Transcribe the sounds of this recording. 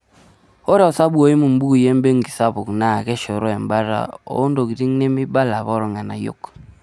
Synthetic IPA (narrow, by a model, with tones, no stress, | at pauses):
o˦ɾɛ˦ɔ˨sa˦bwo˨i˦mu˨m˦bu˦u˨je˦mbe˦ŋɡi˨sa˦βo˨kna˨kɛ˦ʃo˨ɾɔ˦ɛ˨mba˦ɾa̰˨o̰˨o˦ndo˨ɣi˨ɾi˦ŋne˦mɪ˦ba˦la˨βɔ˦ɾɔ˨ŋa˨na˨jo̰˦˨k